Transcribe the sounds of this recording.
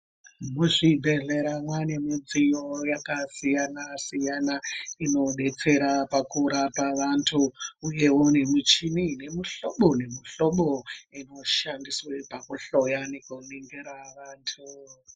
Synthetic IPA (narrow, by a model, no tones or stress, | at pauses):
muʐibʱe̞ɮe̞ɾamwane̞mid͡zijojakasijanasijanaino̞ɗe̞t͡se̞ɾapakuɾapaʋantʰuuje̞wo̞ne̞mit͡ʃinine̞muɬoɓonemuɬo̞ɓoino̞ʃandiswepakuɬo̞janekuneŋɡeɾaʋaːntʰu